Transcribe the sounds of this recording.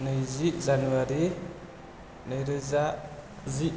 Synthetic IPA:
nɯjzizanuaɾi | nəjɾɯza | zi

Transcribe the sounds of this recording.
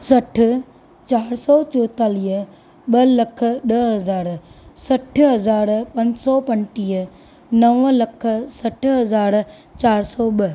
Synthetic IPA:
sɐʈʰʊ̆ | t͡ɕaːɾsɔːt͡ɕoːt̪aːliː | ɓɐlɐkʰə̆ɗɐɦɐzaːɾsɐʈʰɦɐzaːɾpɐ̃ɲd͡ʑsɔːpɐ̃nʈiːə | nɐʋlɐkʰə̆sɐʈʰɦɐzaːɾ | t͡ɕaːɾsɔːɓɐ

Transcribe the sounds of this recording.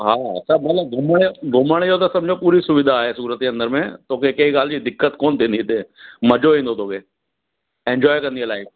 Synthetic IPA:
ɦaːɐ̰t͡ʃʰamɐt̪ləb̚ɡʱʊməɽɡʱʊməɽ̃jot̪asɐ̃md͡ʒʱopuːɾisʊʋɪd̪ʱaːɦesuːɾət̪̚keɐ̃nd̪əɾmẽt̪ʰoːkekɐɦikaːld͡ʑid̪ɪkːət̪koːnt̪eːnd̪ʱit̪emɐd͡ʒoɦĩːnd̪ot̪ʰoːke | ẽːnd͡ʒɔːjkɐɾnielaːɪf

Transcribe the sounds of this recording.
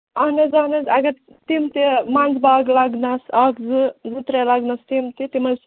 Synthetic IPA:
ɐnɐzaːnɐzɐɡɐ | t̪imt̪imaːnzbaːɡlaɡnasakd͡zɨd͡zɨt̪ɾelaɡnast̪imt̪it̪imɐs

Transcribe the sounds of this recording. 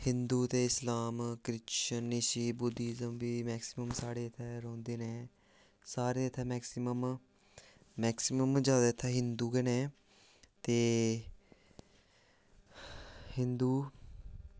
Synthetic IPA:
hɪ̃nd̪uːt̪eːɪslaːmkɾɪtʃənːeʃiːbʊd̪iːzəmbiːmɛːksɪməmsaːɽeːət̪ʰːɛːɾõːnd̪eːneː | saːɾeːət̪ʰɛːmɛːksɪməm | mɛːksɪməmd͡ʒaːd̪aːt̪ʰːɛːɦɪnd̪uːɡeːneː | t̪eː | hɪnd̪uː

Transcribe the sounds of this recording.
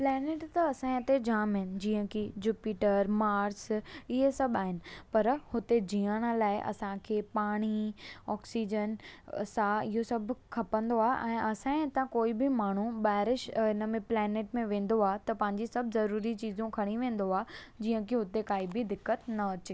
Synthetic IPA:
plɛːneːʈt̪ɐɐsãẽɦɪt̪ed͡ʑaːmɦɪnɪ̆d͡ʑiːə̃kʰid͡ʑuːpiːʈəɾmaːɾsɪɦesɐbaːɦɪnɪ̆pɐɾhʊt̪ed͡ʑiːəɽ̃ə̆laːɪʔɐ̰sãkʰeːpaːɽ̃iɔːksiːd͡ʑənsãɪɦosɐbʱʊkʰɐpə̃nd̪oaːʔɛ̃ːʔɐsãẽɪt̪ãkoːibɪmaːɳ̤uɓaːɪɾɪʃɪnəmẽplɛːneːʈmẽʋẽːn̆d̪oaːt̪ɐpɐ̃ɦɪ̃ɲ̆d͡ʑisɐbʱzɐɾuːɾit͡ɕiːzũkʰɐɽ̃iʋẽːn̆d̪oaːd͡ʑiːə̃kʰiɦʊt̪ekaːibɪd̪ɪkːət̪nɐɐt͡ɕeː

